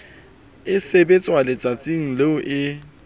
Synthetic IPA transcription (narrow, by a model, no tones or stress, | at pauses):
ɪsebet͡sʼwalɪt͡sʼat͡sʼiŋ̩leʊʔɪ